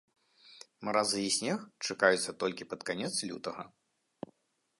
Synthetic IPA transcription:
mɐɾazɨisʲnʲɛxt͡ʂakajut̪sːɐt̪ɔlʲkʲipɐt̪kanʲɛt̪slʲṵt̪ɐɣɐ̰

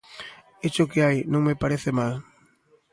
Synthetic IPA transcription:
et͡ʃʊkɪajnõŋmepaɾeθɪmal

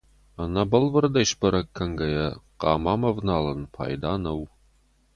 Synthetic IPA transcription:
ɐnɐbɐlvɨrd̪ɐjʃbɐɾɐkʰːɐŋɡɐjɐqɑːmaːmɐvnaːlɐnpʰa̰ːjd̪aːnɐw

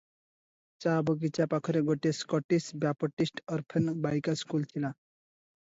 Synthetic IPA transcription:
t͡sabəɡit͡ɕjapakʰəɾeɡoʈeskɔʈisbjapəʈisʈəɾpʰənbajkaskult̪ʰila

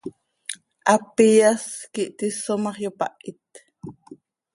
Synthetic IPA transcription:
ʔapijaskiʔt̪isomɑχjopa̰ʔit̪

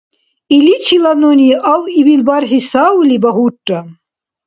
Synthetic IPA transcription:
ilit͡ʃʰilanoniʔawibilʲbarʁisawulʲibaɦuʈʼːa

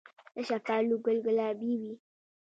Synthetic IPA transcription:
əʃapaːluɡəlɡəlabiwi

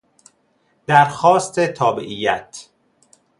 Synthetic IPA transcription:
d̪̥æɾxɒːst̪et̪ʰɒːbḛʔiːjæt̪ʰ

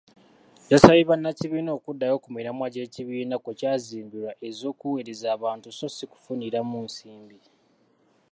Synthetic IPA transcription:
jasaβiβanːaciβiːno̞ːkudːajo̞kumiɾamwaɟe̞ːciβiːnakocaːziːmbiɾaʔe̞zo̞ːkuweɾezaːβaːntuso̞siku̥funiɾamunsiːmbi

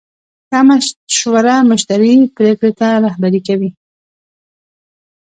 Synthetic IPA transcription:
kamaʃowaɾamʊʃt̪aɾipɾekɽet̪aɾahbaɾikawi

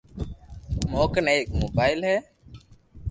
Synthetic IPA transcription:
moːknɛek̚mobajlɦɛ

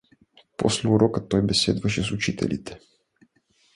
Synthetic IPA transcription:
po̰slʲɛuɾokat̪ojbɛsḛd̪vaʃɛsut͡ʃit̪ɛ̰lʲʔḭt̪ɛ̥

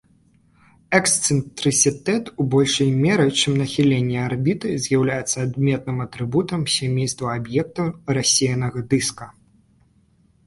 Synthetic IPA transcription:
ɛkst̪sɨnt̪ɾɨt̪sʲɨt̪ɛt̪ubɔlʲʂɐjmʲɛɾɨt͡ʂɨmnɐxʲilʲenʲːiarbʲit̪ɨzʲjawlʲajɛt̪sːɐad̪mʲɛt̪̚nɨmɐt̪ɾɨbut̪ɐmsʲamʲejst̪vɐabjɛk̚t̪uɾasʲejnɐɣɐd̪ɨskɐ

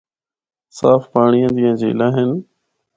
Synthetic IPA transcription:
saːfpaːɳijãːd͡ʒɪɦãːd͡ʒḛːlaːɦɪn

